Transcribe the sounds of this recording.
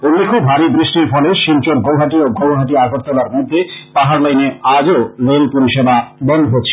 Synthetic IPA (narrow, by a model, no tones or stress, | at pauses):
onːikʰubʱɦaɾibɾiʃʈiɾfɔleʃint͡ɕoɾɡowɦaʈioɡowɦaʈ̬iaɡʱoʈt̪olaɾmod̪ʱːepaɦaɾlajnead͡ʑoɾelpoɾiʃebabɔnd̪oɦotːɕʰe